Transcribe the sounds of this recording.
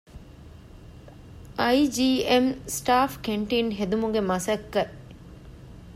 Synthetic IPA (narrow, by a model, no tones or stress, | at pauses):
ʔɐid͡ʒiːemsʈaːfkeɳʈinɦed̪umuɡemɐsɐkːɐ